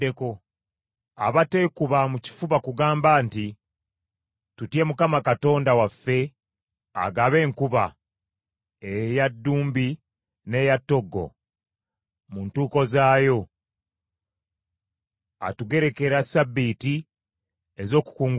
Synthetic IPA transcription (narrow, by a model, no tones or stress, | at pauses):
eko | a̰βate̞kuβamuci̥fuβakuɡaːmbaːnti | tutje̞mukamakato̞ːndawafːe̞ | a̰ɡaβe̞ːŋkuβa | ejadːuːmbi | ne̞ːjatːo̞ɡːo̞̰ | muntuːko̞zaːjo̞ | a̰tuɡe̞ɾe̞ke̞ɾasabːiti | ezo̞ːku̥kuːŋɡ